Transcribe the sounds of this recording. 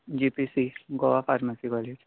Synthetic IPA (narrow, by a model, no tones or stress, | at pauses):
d͡ʒipisiɡoʋafaɾmasiɡaliʈ